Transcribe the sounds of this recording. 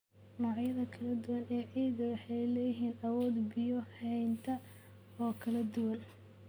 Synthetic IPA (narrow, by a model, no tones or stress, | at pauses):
nɔːʕjɐðɐkʰɐlɐd̪ʊwɐnɛːʕiːðɐwɑħɛjlɛjɪɦiːnɐwɔːd̪bɪjɔhɛjnt̪ʰɐ | ɔːkʰɐlɐd̪ʊwɐn